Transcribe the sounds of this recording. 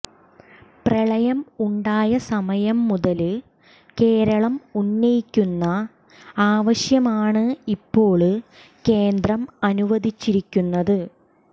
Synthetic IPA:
prɐɭɐjɐmuɳɖaːjɐsɐmɐjɐmːuðɐlɨ | ke̞ːɾɐɭɐmunːɐjikʲːunːɐ | aːʋɐɕjɐmaːɳɨipːo̞ːɭɨ | ke̞ːnd̪ɾrɐmɐnuʋɐd̪ʱit͡ɕːiɾikʲːunːɐðɨ

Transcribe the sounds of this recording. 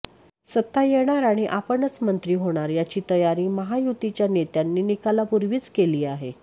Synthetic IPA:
sət̪ːajeɽ̃aɾaɽ̃iʔapəɳət͡smənt̪ɾiːɦoɽ̃aɾjat͡ɕiːt̪əjaɾiːməɦajut̪it͡ɕjanet̪janːiːnikalapuɾʋiːt͡skeliːaɦe

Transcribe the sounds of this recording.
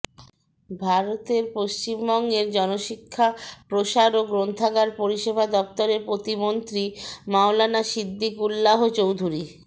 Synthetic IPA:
bʱaɾot̪eɾpoʃt͡ɕimbɔŋɡeɾd͡ʑɔnoʃikʰːapɾoʃaɾoɡɾont̪ʰaɡaɾpoɾiʃebʱad̪ɔp̚t̪oɾeɾpɾot̪imont̪ɾimaolanaʃid̪ʱːikulːaɦot͡ɕowd̪ʱuɾi

